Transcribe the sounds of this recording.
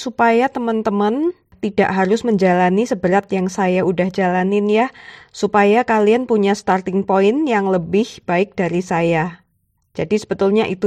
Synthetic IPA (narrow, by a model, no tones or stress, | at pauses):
supajat̪əmənt̪əmən | t̪ida̰ʔɦaɾʊsməɲd͡ʒalanisəbəɾat̪jaŋsajaudahd͡ʒalanɪnjasupajakalianpuɲast̪art̪ɪŋpoɪnjaŋləbɪhb̥aɪk̚d̥aɾisaja | d͡ʒadisəbət̪ʊlɲaʔit̪u